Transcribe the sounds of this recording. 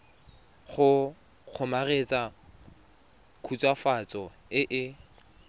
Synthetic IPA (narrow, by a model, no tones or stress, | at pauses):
χʊ | q͡χʰʊmaret͡sʼa | kʰut͡sʼwafat͡sʼɔ | ɪʔɪ